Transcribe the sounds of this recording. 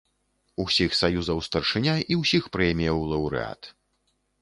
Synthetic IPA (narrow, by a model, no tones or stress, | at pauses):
usʲixsajuzɐwst̪ɐrʂɨnʲaʔiwsʲixpɾɛjmʲijɐwlˠɐwɾɨ̰a̰t̪